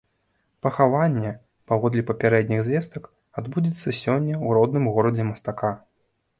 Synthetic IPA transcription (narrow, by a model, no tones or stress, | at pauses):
pɐxavanʲːɛ | pavɔd̪lʲipɐpʲaɾɛd̪ʲnʲiɣzʲvʲɛst̪ɐk | ad̪bud͡zʲit̪sːɐsʲɔnʲːɐwɾɔd̪nɨmɣɔɾɐd͡zʲɛmɐst̪aka